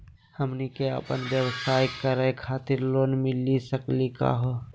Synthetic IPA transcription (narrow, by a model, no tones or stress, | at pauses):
həmnikeə̰pənbjəwsaːjkəɾəjkʰaːt̪ɪɾloːnmɪlisəklika̰ːɦo